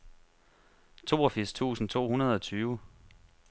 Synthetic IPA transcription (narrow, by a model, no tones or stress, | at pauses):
t͡sʰo̝̰ːɒfiɐ̰st͡sʰṵːsn̩t͡sʰo̝̰ːhunɐð̞̩ˠɒ̽t͡sʰyːʋə